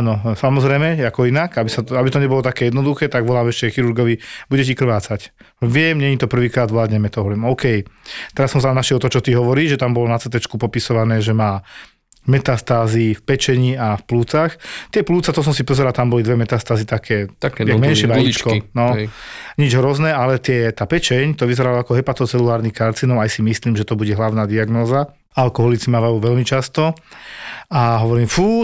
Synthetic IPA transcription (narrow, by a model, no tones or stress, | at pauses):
anɔsamɔzɾɛjmɛakɔinakabisaabit̪ɔɲɛbɔlɔt̪akɛːjɛd̪nɔd̪uxɛːt̪aɡʋɔlaːmɛʃcɛxiɾuɾɡɔʋibuɟɛcikr̩ʋaːt͡sac | ʋɪɛmɲɛɲit̪ɔpr̩ʋiːkɾaːd̪ʋlaːd̪ɲɛmɛt̪ɔɦɔʋɔʋɛmɔʊkɛjt̪ɛɾasːɔms̬aamnaʃɛlt̪ɔt͡ʃɔt̪iɦɔʋɔɾiːʒɛt̪ambɔlɔnat͡sɛt̪ɛt͡ʃkupɔpisɔʋanɛːʒɛmaː | mɛt̪ast̪aːzifpɛt͡ʃɛɲiːafpluːt͡saxt̪ɪɛpluːt͡sat̪ɔs̬ɔmsipɔzɛɾalt̪ambɔlid̪ʋɛmɛt̪ast̪aːzit̪akʰɛːakaɡmɛnɪɛʋaɲit͡ʃkɔinɔɲid͡ʒɦɾɔznɛːalɛt̪ɪɛt̪aːpɛt͡ʃɛɲt̪ɔʋizɛɾalaakɔɦɛpat̪ɔt͡sɛlulaːɾnixkaɾt͡sinɔʊajsimisliːmʒɛt̪ɔbuɟɛɦlaʊnaːd̪iaɡnɔːza | alkɔɦɔlit͡simaːʋajuːʋɛʎmit͡ʃast̪ɔ | aɦɔʋɔɾiːmfuː